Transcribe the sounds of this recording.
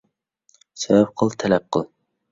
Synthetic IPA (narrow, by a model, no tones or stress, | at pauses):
sɛvɛp̚qʰəlˠt̪ʰɛlɛp̚qʰəlˠ